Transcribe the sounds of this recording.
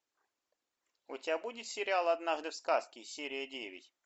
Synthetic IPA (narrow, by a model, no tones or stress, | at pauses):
ʊtʲɪabudʲɪt̪sʲɪɾʲɪalˠɐd̪naʐd̪ɨfskaskʲɪsʲeɾʲɪjədʲevʲɪ̰tʲ